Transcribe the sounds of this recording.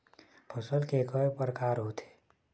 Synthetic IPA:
pʰəsəlkekəepəɾəkaːɾɦot̪ʰe̥ː

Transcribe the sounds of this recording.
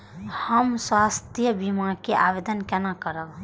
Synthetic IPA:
həmswast̪ijəbimakeʔabed̪ənkenakəɾəl

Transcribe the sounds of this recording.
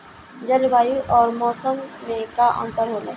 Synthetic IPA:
d͡ʒəlbaːjuʔɔːɾmɔːsəmʋeːkaʔɔ̰̃nt̪əɾɦoːlaː

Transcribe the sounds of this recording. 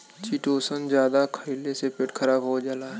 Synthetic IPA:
t͡ʃiːʈoːsənd͡ʒjaːd̪akʰəilesepeʈkʰəɾaːbɦoːd͡ʒaːlaɦɛ

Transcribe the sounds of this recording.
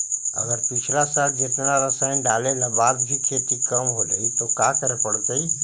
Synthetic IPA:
ɐ̰ɡəɾpɪt͡ʃʰlasaːld͡ʒet̪naɾəsaːĩnɖaːlelabaːd̪bʱikʰeːt̪ikəmɦoləit̪okaːkəɾepəɽ̤t̪əiː

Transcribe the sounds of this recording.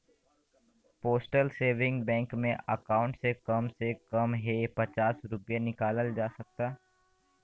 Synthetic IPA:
poːsʈəlseːʋɪ̃ŋɡbɛ̃ːŋkmẽəkaːʊ̃ɳʈsekɐmsekɐmɦepɐt͡ʃaːsɾʊpjanɪkaːləld͡ʒaːsɐk̚t̪aː

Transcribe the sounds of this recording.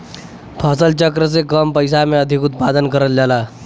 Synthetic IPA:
pʰasəlt͡ɕəkɾəsekəmpəjsameəd̪ʱikut̪̚pad̪ənkəɾət̪d͡ʑala

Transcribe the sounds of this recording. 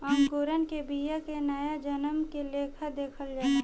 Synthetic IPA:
aːmkoːɾənkebiːjakenɐjad͡ʒənəmkeleːkʰəd̪eːkʰəld͡ʒaː

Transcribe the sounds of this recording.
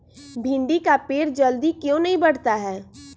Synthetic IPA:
bʱɪ̃ɳɖikapeːɾd͡ʒɐld̪ikjõːnɐɦĩbɐɽ̤t̪aɦɛː

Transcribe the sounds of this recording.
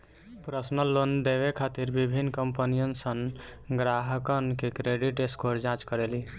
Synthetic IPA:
pɾəsnəlːond̪eʋekʰat̪iɾbibʱinːkəmpənijənsənɡɾaɦəkənkekɾeɖiʈeskoɾd͡ʒãt͡ʃkəɾeli

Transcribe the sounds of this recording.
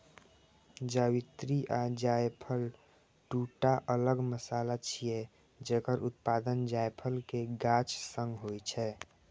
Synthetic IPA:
d͡ʒawit̪ɾiʔad͡ʒajpʰəl | ʈuʈaʔələɡməsaːlat͡ʃʰije | d͡ʒɛkəɾʔut̪paːd̪ənd͡ʒajpʰəlkeɡat͡ʃsə̃ŋɡɦojt͡ʃʰɛ

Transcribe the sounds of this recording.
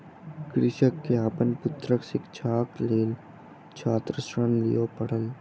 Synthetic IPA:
kɾɪʃəkːeaːpənpʊt̪ɾəksɪkt͡ʃʰaːkleːl | t͡ʃʰaːt̪ɾəsɾənlḭjopɐɽ̤əl

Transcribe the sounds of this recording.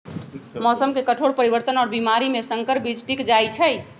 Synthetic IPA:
mɔsəmkekəʈʰoɽpəɾibəɾt̪ənɔːɾbimaɾimesəŋkəɾbid͡ʒʈikd͡ʒajt͡ʃʰəj

